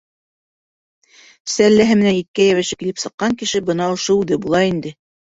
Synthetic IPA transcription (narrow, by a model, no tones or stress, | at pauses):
sælːæɦɘmɘ̆nænit̪̚kæjæwæʃɘkilɘpsɤ̆qːɑŋkɘ̆ʃɘbɤnɑŏʃoʉðɘbulˠɑind̪ɘ